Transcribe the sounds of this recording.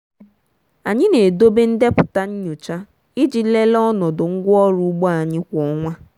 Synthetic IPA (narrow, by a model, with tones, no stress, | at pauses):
a˨ɲɪ˦ne˨do˦be˦n̩˦de˦pʊ˨ta˦ɲ̩˦ɲʊ˨t͡ʃa˦ | ɪ˦d͡ʒi˦le˦lɔ˦nɔ˨dʊ˨ŋ̩˦ɡʷɔ˦ɾu˨˦ɡ͡bo˦a˨ɲɪ˦kʷɔ˦ŋʷa˦